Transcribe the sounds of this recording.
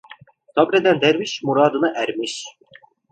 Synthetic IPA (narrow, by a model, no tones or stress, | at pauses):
t̪ʰɑbɾɛd̪ɛnd̪ɛɾviʃmuɾɑːd̪ɯnɯʔæɾmiʃ